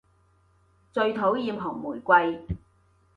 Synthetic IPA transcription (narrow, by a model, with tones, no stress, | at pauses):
t͡sɵ˧ɥt̪ʰo˨˥wjiː˨˧mɦɔː˨˩ŋmuː˨˩jkʷɐ˧j